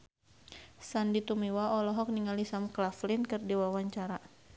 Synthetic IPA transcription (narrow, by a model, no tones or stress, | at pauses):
sandit̪umiwaɔlɔɦɔk̚niŋalisamklaflɪnkɨrdiwawaɲt͡ʃaɾa